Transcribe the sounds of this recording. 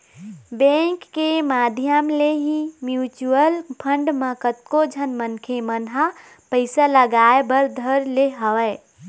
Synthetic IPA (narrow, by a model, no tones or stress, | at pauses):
bẽŋkːemad̪ʱjəmleɦimjut͡ʃuəlpʰəɳɖmẽkət̪̚kod͡ʒʱənmənkʰemənɦa | pəɪsaləɡaebəɾd̪ʱəɾleɦəwɛ